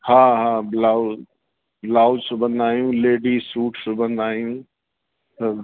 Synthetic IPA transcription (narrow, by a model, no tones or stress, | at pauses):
hãːɦãːblaːʊ | blaːʊd͡ʒsobɐ̃nd̪aːɦjũːleːɖisuːʈsobɐ̃nd̪aːijũː | t̪ɐ